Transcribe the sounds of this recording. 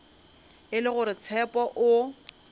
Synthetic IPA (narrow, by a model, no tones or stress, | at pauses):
ɪlɪɣʊɾɪt͡sʰɛpʼɔʔʊ